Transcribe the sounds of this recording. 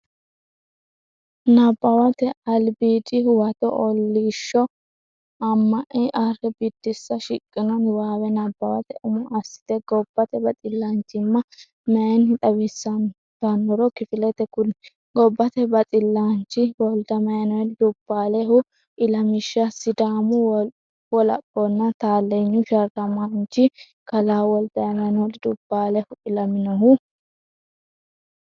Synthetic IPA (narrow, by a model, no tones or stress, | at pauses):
nɐbːɐwɐt̪ɛɐlbiːt̪ɪwɐt̪ɔ̰ʔɔlːiʃːɔ | ɐmːɐʔɪʔɐrɛbɪd̪̥ːɪsːɐʃɪkʼːɪnɔnwaːwɛnɐbːɐwɐ̰t̪ɛʔʊmɔʔɐsːɪ̥t̪ɛɡɔb̥ːɐt̪ɛbɐt̪ʼɪlːant͡ʃːɪmːɐ | mɛɐnᶑ̪ɐwɪsːɐn | d̪̥ɐnɔɾɔkɪfɪlɛt̪ɛkʊl | ɡɔbːɐt̪ɛbɐt̪ʼɪlːaːnt͡ʃːɪwɔld̪ɐmɐjɐnɔd̪ɪd̪ʊb̥ːaːlɛhʊ | ʔɪlɐmɪʃːɐsɪd̪aːmʊ | wɔlɐ̰pːɔnːɐt̪aːlːeɲːʊʃɐɾkɐmant͡ʃːɪ | kɐlaːwɔld̪ɐɐmɐjɐnɔd̪ɪd̪ʊb̥ːaːlɛhʊɪlɐmɪnɐɦʊ